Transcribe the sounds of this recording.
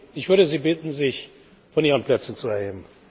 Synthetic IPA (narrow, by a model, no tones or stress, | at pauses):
ɪçv̥ʏɐdəziːbɪtn̩zɪç | fɔniːʁənplɛt͡sn̩t͡suɛɐeːbm̩